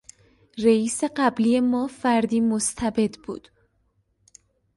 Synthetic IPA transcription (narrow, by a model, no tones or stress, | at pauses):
reiːse̞ɢæbliːje̞mɒːfæɾd̪iːmost̪ʰæbe̞d̪bṵːd̪̥